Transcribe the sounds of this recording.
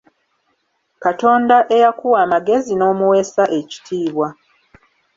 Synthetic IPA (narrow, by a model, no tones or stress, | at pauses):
kato̞ːndaʔe̞jakuwaːmaɡe̞zino̞ːmuwe̞saʔe̞ci̥tʰiːβwa